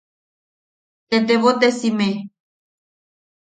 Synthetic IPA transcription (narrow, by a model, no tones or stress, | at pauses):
t̪et̪̬eβot̪esime